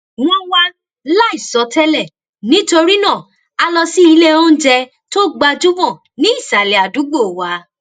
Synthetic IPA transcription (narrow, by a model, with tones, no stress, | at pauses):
w̃ɔ̃˦wa˦ | la˦i˦˨sɔ˨˦tɛ˦lɛ˦˨ | nĩ˦to˧ɾi˦nãː˦˨ | a˧lɔ˧si˦i˧le˦o˦n̩˦d͡ʒɛ˧ | to˦ɡ͡ba˧d͡ʒu˦vɔ̃˦˨ | nĩ˨˦i˦˨sa˨lɛ˨a˨du˨˦ɡ͡bo˦˨wa˨˦